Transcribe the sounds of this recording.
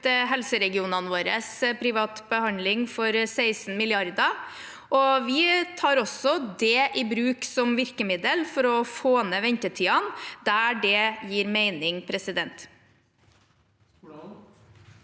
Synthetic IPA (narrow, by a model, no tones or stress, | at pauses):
ɦɛlsəɾɛɡɪuːnɑnʋoːɾəspʰɾɪʋɑːt̪bəhɑnlɪŋfɔɾsæɪsn̩mɪlɪɑɾd̪ɑ | ʔɔʋɪt̪ʰɑːɾɔsɔd̪ɛʔɪbɾʉːksɔmʋɪɾkəmɪd̪əlfɔɾɔfoːnəʋɛɲt̪ət̪ʰiːɑnd̪æɖɛjiːɾmeɪnɪŋpʰɾɛsɪd̪ɛnt̪